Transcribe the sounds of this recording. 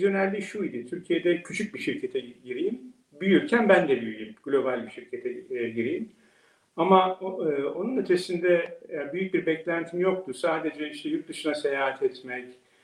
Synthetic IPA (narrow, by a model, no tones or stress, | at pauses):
zjo̞nælʲːiʃuid̪ɪt̪ʰyɾcʰijed̪ɛcʰyt͡ʃʰyc̚biʃiɾcʰet̪ʰɛɟiɾijim | byjyɾcʰænbænd̪ɛbyjyjymɡ̥lʲo̞balʲbiʃiɾcʰet̪ʰɛɟiɾijim | amaɯːo̞nunyt̪ʰe̞sind̪ɛejæɾbyjyc̚biɾbɛclʲænt̪ʰimijo̞k̚t̪ʰusaːd̪e̞d͡ʒɛiʃt̪ʰɛjuɾt̪̚d̪ɯʃɯnase̞jaːɦat̪ʰɛt̪mɛc